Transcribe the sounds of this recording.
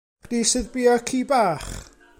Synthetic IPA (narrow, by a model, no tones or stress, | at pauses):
disɨðbiɔkʰiːbaːχ